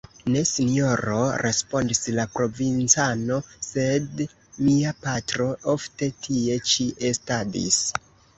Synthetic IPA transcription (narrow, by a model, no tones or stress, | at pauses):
ne̞sinijo̞ɾo̞ɾʔe̞spo̞ndislapɾo̞vint͡sano̞se̞d | miapatɾo̞o̞fte̞tʰie̞t͡ʃiʔe̞stadḭs